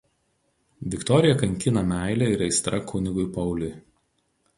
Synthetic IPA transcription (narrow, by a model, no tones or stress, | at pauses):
ʋʲɪkt̪ɔɾʲɪjɛkɐŋʲˑkʲɪnɐmʲæˑɪlʲɛɪɾɛɪst̪ɾɐkʰʊnʲɪɡʊɪpɐʊlʲʊj